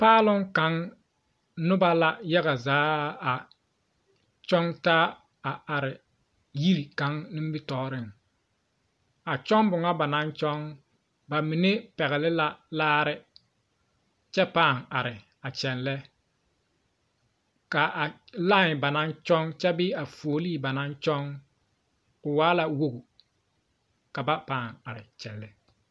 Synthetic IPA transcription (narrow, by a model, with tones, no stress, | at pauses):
paː˦lʊ˦ŋka˨˦ŋ | nʊ˦ba˦la˦ja˦ɣa˨zaː˨˦a˨ | t͡ʃɔ˦ŋtaː˦ | a˨a˨ɾɪ˨ | ji˦ɾi˨ka˦ŋnɪ˦m˦bɪ˦tɔː˦ɾɪ˦˨ŋ | a˨t͡ʃɔ˦ŋbʊ˨ŋa˦ba˨na˦nt͡ʃɔ˦ŋ | ba˨mi˨ne˦pɛ˨ɣɛ˨lɪ˦la˦laː˦ɾɪ˦ | t͡ʃɛ˦paː˦˨ŋa˨ɾɪ˨ | a˨t͡ʃɛ˨nlɛ˦ | ka˨a˨ | la˦˨ŋɪ˨ba˨na˦nt͡ʃɔ˦ŋt͡ʃɛ˦bɪ˦a˨foː˨liː˦˨ba˨na˦nt͡ʃɔ˦ŋ | kʊ˨waː˦la˦wo˦ɡu˨ | ka˨ba˦paː˦˨ŋa˨ɾɪ̰˨t͡ʃɛ˨lːɛ˨